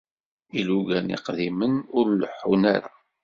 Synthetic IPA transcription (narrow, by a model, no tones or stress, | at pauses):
iluɡænḭqðimənʊɾləħːunaɾa